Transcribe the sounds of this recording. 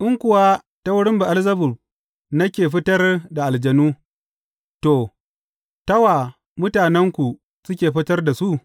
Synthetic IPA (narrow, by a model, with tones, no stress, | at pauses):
ʔɪ˦ŋkʷʊ˨wa˦ | ta˦wʊ˦ɽɪ˦mba˨ʔa˦lzɐ˦bʊ˨ɸ̚ | nɐ˦kʲeː˨ɸɪ˦tɐ˦rda˨ʔa˨ld͡ʒɐ˨nuː˦ | toː˨ | tɐ˦wa˨ | mʊ˦taː˨nɛ˦ŋkʷu˨ | sʊ˦kʲeː˨ɸɪ˦tɐ˦rda˨su˦ʔ